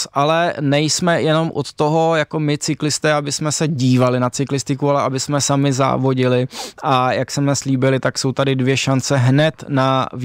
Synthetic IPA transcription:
sʔalɛnɛjsmɛjɛno̞mʔo̰t̪ːo̞ɦo̞jako̞mɪt͡sɪklɪst̪ɛːabɪsmɛsɛɟiːvalɪnat͡sɪklɪst̪ɪkualɛʔabɪsmɛsamɪza̰ːvo̞ɟɪlɪʔajaksɛmɛsliːbɪlɪt̪akso̞wt̪adɪdvjɛʃant͡sɛɦnɛt̪nav

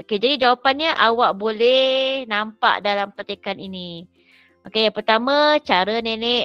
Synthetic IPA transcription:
oked͡ʒadid͡ʒawapanɲəʔawaʔbolɛhnampa̰ʔdalampat̪ekanini | ʔokejaŋpərt̪amãt͡ʃaɾənenɛʔ

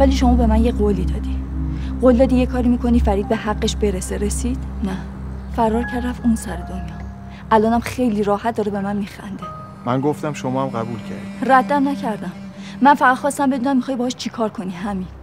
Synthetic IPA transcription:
væliːʃo̞mɒːbe̞mænje̞ɢoliːd̪ɒːd̪iɢold̪ɒːd̪ijekʰɒːɾimikʰo̞niːfæɾiːd̪̚be̞hæɡːe̞ʃbe̞ɾeseɾesiːd̪̥næfæɾɒːɾcʰæɾrævunsæɾed̪onjɒː | ʔælɒːnæmxe̞jliɾɒːhæt̪̚d̪ɒːɾebe̞mænmiːxæ̰nd̪e | mænɡoft̪æmʃomɒːæmɢæbuːlcʰæ̰ɾd̪iræd̪ːæmnæcʰæɾd̪æmː | ænfæʁæd̪̥χxɒːst̪æmbe̞d̪uːnæmːixɒːjbɒhɒʃt͡ʃʰikʰɒːɾkʰo̞niɦæmin

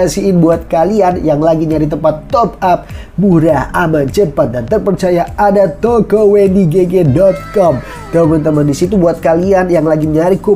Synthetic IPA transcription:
asiɪnbuat̪̚kalianjaŋlaɡiɲaɾit̪̬əmpat̪ːɔp̚ap̚ | buɾahamant͡ʃəpat̪̚dant̪ərpərt͡ʃajaadat̪okowendiɡeɡedɔt̪̚kɔm | kəmənt̪əmandisit̪ubuat̪̚kalianjaŋlaɡiɲaɾikʊ

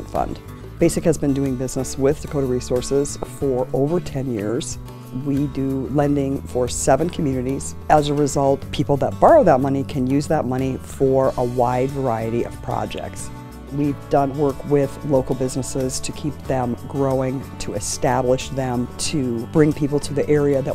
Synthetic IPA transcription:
nfʌ̰̃nd̥ | b̥eɪsɨkhɨzbɨ̃ndʉɪ̃ŋbɪznəswɪð̥sɨkʰoʊɾəɹisɔɹsɪz̥fə˞ʔoʊvə˞tʰɛ̃njɪ̰ɹz̥ | widɨlɛ̃ndɪ̃ŋfə˞sɛvɨ̃nkʰmjʉnɨɾiz̥ʔəzəɹɨzʌlˠt̚pʰipl̩ˠðət̚b̥ɑɹoʊðət̚mʌnikʰɨ̃njʉzðət̚mʌɾ̃ifə˞ʔəwaɪdvə˞aɪɨɾiʔʌ̰v̥pʰɹ̥ɑ̰d͡ʒɛ̰k̚ts | wivdʌ̃nwɜ˞kwɪðloʊkl̩ˠbɪznəsɪz̥tʰɨkʰip̚ðɨ̃mɡɹoʊɪ̃ŋtʰɨɨstæbləʃðɨ̃mtʰɨb̥ɹɪ̃ŋpʰipl̩ˠtʰɨðiʔɛɹiɨðɨ̰ʔ

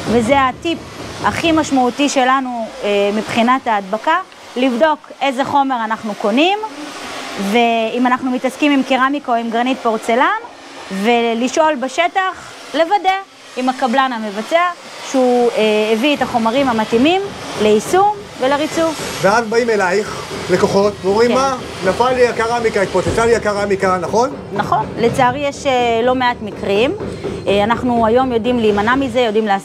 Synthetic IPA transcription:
vezeatipaχimaʃmautiʃe̞lanuemipχinataːdbaka | livdo̞kʔe̞ze̞χo̞me̞ʁanaχnuko̞nim | ve̞imanaχnumitaskimimkiʁamikoimɡaʁnit̚poʁt͡selan | ve̞liʃo̞lbeʃetaχ | le̞vade̞ | imakablanhame̞vat͡sea | ʃeuevietaχo̞maʁimhamatimimleisum | veleʁit͡suvveazbaimelaiχ | leko̞χo̞tveomimːa | nafalːiakaʁamikaet̪̚pot͡set͡saliakaʁamikanaχo̞n | naχo̞nlet͡saaʁjeʃelo̞meatmikʁimanaχnuajo̞mjo̞dimliːmanamize̞jo̞dimleas

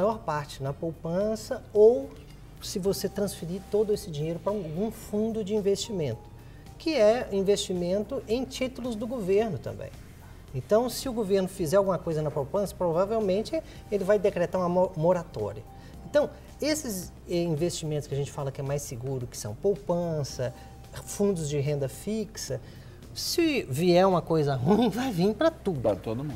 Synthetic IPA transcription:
majɔɾpaɾt͡ʃɪnɐpowpɐ̃sɐow | sɪvoset̪ɾɐ̃sfiɾit̪od̪ʊesɪd͡ʒiɲejɾʊpɾɐawɡũfũnd̪ʊd͡ʒɪĩvest͡ʃimẽnt̪ʊ̥ | kɪɛĩvest͡ʃimẽnt̪ʊʔẽj̃t͡ʃit̪ʊlʊzd̪ʊɡoveɾnʊt̪ɐ̰̃mbḛ̃j̃ | ẽnt̪ɐ̃w̃sɪʊɡoveɾnʊfizɛɾawɡũmɐkojzɐnɐpowpɐ̃sɐ̥pɾovavewmẽnt͡ʃɪ | elɪvajd̪ekɾet̪aɾũmɐomoɾat̪ɔ̰ɾiɐ | ẽnt̪ɐ̃w̃ | esɪz | ɛĩvest͡ʃimẽnt̪ʊskɪɐaʒẽnt͡ʃɪ̥falɐkɪɛmajsɪɡuɾʊkɪ̥sɐ̃w̃powpɐ̃sɐ | fũnd̪ʊzd͡ʒɪɦẽnd̪ɐfiksɐ | sɪviɛɾũmɐkojzɐɦũj̃vajvĩpɾɐt̪ud̪ʊt̪od̪ʊmũ

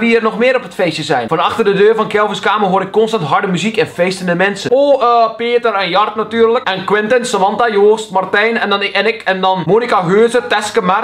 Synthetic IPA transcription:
ʋiərnɔxmɪəɾɔpətfeːsjəzɛjnfɔnɑxtərdədøːrfɑnkɛlˠvəskaːmərɦoəɾɪkːɔnstɑntɦɑɹdəmyzikɪnfeːstəndəmɛnsəopeːtərɛnjɑrtnatyːərləkʔɛnkwɪntənsəʋɑntajoːstmartɛjnɛndɔnɛnɪkɛndɔnmoːnikaɦøːzətɛskəmar

